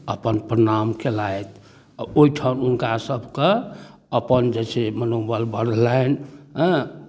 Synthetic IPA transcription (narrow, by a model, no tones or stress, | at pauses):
əpənpɾənamkʰelajt̪ʰ | aoiʈʰaununkasəbʱke | əpənd͡ʒɛsemənobəlbəɾlajnɦə̃